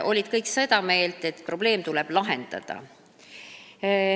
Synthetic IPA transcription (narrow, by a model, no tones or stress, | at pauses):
ʔo̞lʲid̪̥̚kɤjksɤd̪ɑme̞ːlt̪ˑe̞t̪ːˑpro̞b̥le̞ːmt̪uleb̥lɑɦend̪̥ɑ̰d̪̥ɑ̰